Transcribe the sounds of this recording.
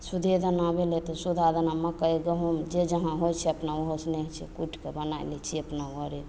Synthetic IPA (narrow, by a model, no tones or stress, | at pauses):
sud̪ʱed̪ənabelet̪ɔsud̪ʱad̪ənaməkəjɡəɦumd͡ʒed͡ʒəɦãɦojt͡ʃʰɛəpnaoɦosnet͡ʃʰɛ̰kuʈʰkebənajlɛt͡ʃʰiəpnaʋəɾe